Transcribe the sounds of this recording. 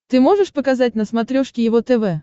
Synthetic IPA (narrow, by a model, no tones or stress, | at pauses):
t̪ɨmoʐɨʂpəkɐzat̚ʲnəsmɐt̪ɾʲoʂkʲɪjɪvot̪ɛvɛ